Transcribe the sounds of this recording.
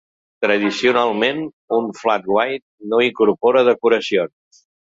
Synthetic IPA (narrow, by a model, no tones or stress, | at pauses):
t̪ɾəð̞isiunalˠmen | uɱflat̪̚ɡwajt̪̚noiŋkuɾpɔɾəðəkuɾəsions